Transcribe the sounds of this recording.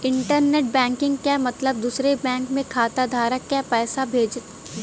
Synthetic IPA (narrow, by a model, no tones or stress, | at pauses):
ɪ̃ɳʈəɾneʈ̚bɛ̃ːŋkɪ̃ŋɡ̚kjamɐt̪ləb̚d̪uːsɾebɛ̃ːŋkmẽkʰaːt̪ad̪ʱaːɾəkːjapɛːsabʱeːd͡ʒ